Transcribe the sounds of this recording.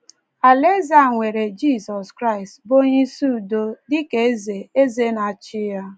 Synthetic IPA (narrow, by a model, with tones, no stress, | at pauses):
a˨le˦za˦˨ŋʷe˨ɾe˨d͡ʒi˦˨sɔ˨skɾa˦ɪ˨stbo˦ɲi˦su˦˨do˦dɪ˦ke˨˦ze˨e˦ze˦na˨t͡ʃɪ˦ja˦